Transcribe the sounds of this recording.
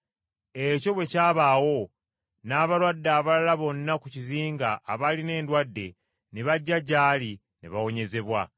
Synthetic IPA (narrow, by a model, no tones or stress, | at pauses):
e̞co̞βwe̞caːβaːwo̞ | naːβalwadːaːβalalaβo̞nːakuciziːŋɡaʔːβaline̞ːndwadːe̞̰ | neβaɟːaɟaːli | neβawo̞ɲe̞ze̞βwa